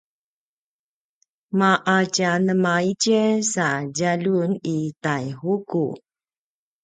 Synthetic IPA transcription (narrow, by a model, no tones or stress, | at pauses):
maʔacanəmaicəsaɟalunitajhukṵ